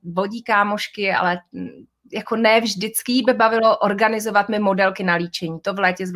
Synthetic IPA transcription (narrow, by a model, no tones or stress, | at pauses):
vo̞ɟiːkaːmoʃkɪa̰lɛ | jako̞nɛːvʒdɪt͡skɪjibɛbavɪlo̞ʔoɾɡanɪzo̞vat̪mɪmo̞dɛlkɪnaliːt͡ʃɛɲiːt̪o̞vlɛːcɛz